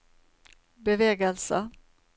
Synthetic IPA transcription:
bɛvɛːɡəlsə

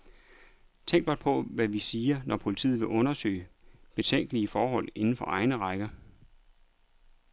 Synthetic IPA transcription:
t͡sʰeŋ̰ɡ̥b̥ɒ̽d̥̚pʰɒ̽ʋæʋisiːɐnʔɒpʰo̝lit͡sʰḭːð̩ˠʋe̝ʔɔ̽nɐsø̰ːɪb̥e̝t͡sʰeŋ̰ɡ̥əliəfɒːɦɒ̽l̰e̝nn̩fɒ̽ʔɑ̈ɪnəʁɑ̈ɪɡ̥ɐ

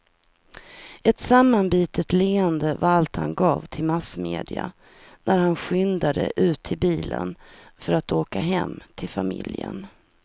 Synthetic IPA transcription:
ɛt̪samːanbiːt̪ʰət̪leːənd̪əvaɾalt̪ha̰nɡɑːvt̪ʰɪlmasmeːd̪ɪa̰ | næɾhanɧʏnd̪ad̪əʔʉ̟ːt̪ʰːɪlbiːlənfœɾat̪oːkaɦɛmːt̪ʰɪlfamɪljə̰n

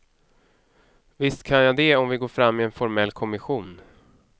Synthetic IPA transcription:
vɪst̪kʰanjad̪ɛɔmvɪɡoːɾfɾamːɪɛnfɔɾmɛlːkʰɔmɪɧuːn

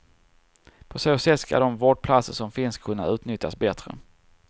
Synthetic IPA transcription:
pʰɔsoːsɛt̪ːska̰d̪ɔmvoːɖ̚pʰlat̪səʂɔmfɪnskʰɵnːa̰ʉ̟ːt̪nʏt̪ja̰sbɛt̪ɾə̰

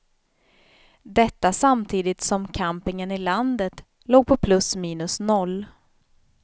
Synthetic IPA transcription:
d̪ɛt̪ːasamt̪ʰiːd̪ɪt̪sɔmkʰampɪŋənɪland̪ət̪ | loːɡ̚pʰɔpʰlɵsmiːnɵsnɔlː

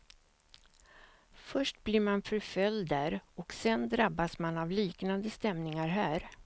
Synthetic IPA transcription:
fœʂʈblɪɾmanfœɾfœld̪æːɾɔksɛnd̪ɾabːasmanavliːknand̪əst̪ɛmnɪŋaɾɦæːɾ

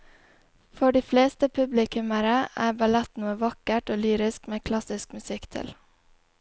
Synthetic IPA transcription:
fɔɖiːfleːst̪əpʰʉblɪkʉməɾəʔæ̰ːbɑlɛt̪nuːəʋɑkəʈoːlyːɾɪskmeːkʰlɑsɪskmʉsɪkt̪ʰɪ̰l

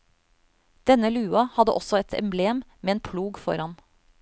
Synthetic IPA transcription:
d̪̥ɛnəlʉːɑhɑd̪əʔɔsɔɛt̪ʰɛ̰mbleːmmeːeːnpʰluːɡfɔɾhɑn

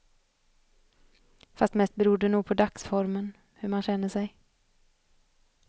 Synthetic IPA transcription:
fast̪mɛst̪̚bɛɾuːɖ̪ɛnuːɡ̚pʰɔd̪aksfɔɾmən | hɵɾmanɕɛnːəʂɛj

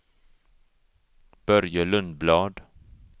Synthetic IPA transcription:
b̥œɾjəlɵnd̪blɑːd̪

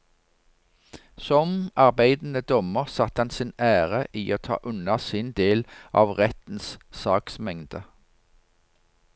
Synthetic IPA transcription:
sɔmɑʁbæɪd̪n̩əd̪ɔməʁsɑt̪ɑnsɪnæːʁəʔiːʔoːt̪ʰɑ̰ːʔʉnɑsɪnd̪eːlʔɑ̰ːʋʁɛt̪n̩ssɑːksmɛŋd̪ə

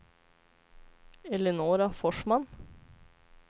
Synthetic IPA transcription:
ɛlənoːɾɑfɔʃmɑn

